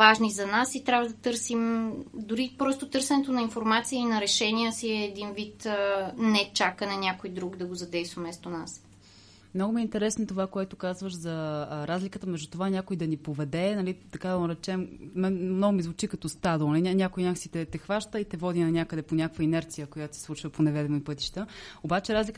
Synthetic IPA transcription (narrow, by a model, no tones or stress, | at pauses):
vaʒnizɐnasit̪ɾʲavəd̪ɐt̪ɤɾsimd̪ʊɾipɾɔst̪ot̪ɤɾsɛnɛt̪onɐinfoɾmat̪sijəinɐɾɛʃɛnijəsiɛːd̪invit̪ːnɛt͡ʃakənɐnʲakojd̪ɾuɡd̪ɐɡozɐd̪ɛjst̪vɐmɛst̪onas | mnoɡʊmiɛint̪ɛɾɛsnoɛt̪ovakoɛt̪okazvəʃzɐɾazlʲikət̪əmɛʒd̪ut̪ovanʲakojid̪ɐnipovɛd̪ɛnɐlit̪ɐkad̪ɐoɾɛt͡ʃɛmmɛmnɔɡʊmizvʊt͡ʃikɐt̪ɔst̪ad̪lˠnlinʲakojnʲak̪sit̪ɛt̪ɛxvaʃt̪əit̪ɛvɔd̪inɐnʲakəd̪ɛponʲakəkvəinɛɾt̪sijəkojat̪o̥sɛ̥slˠut͡ʃvəponɛvɛd̪ɛmoipɤt̪i̥ʃt̪əobat͡ʃɛɾazlʲikə